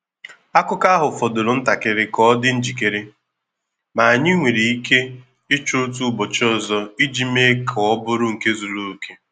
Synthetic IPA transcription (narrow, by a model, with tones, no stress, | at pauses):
a˦kʊ˦ka˦a˦ɦʊ˨fɔ˨do˨ɾʊ˨n̩˦ta˨kɪ˦ɾɪ˦kɔ˦dɪ˦n̩˦d͡ʒi˨ke˦ɾe˦ | ma˨a˨ɲɪ˦ŋʷe˨ɾe˨i˦ke˦ | ɪ˦t͡ʃʊ˦tu˦bɔ˨t͡ʃɔ˦˨zɔ˦i˦d͡ʒi˦me˦kʰʊ˨ɔ˦bʊ˦ɾʊ˦ŋ̩˨ke˦zu˨ɾu˦o˨ke˦